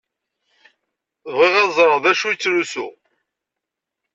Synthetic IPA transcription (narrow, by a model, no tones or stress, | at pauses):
vʁiʁæzˤɾˤəðæʃujt͡sːɾusṵ